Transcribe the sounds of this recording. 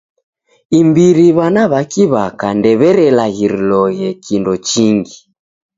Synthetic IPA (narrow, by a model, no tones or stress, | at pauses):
imbiɾiβanaβakiβakandɛβɛɾɛlaɣiɾilɔjɛkʰindɔt͡ʃiŋɡi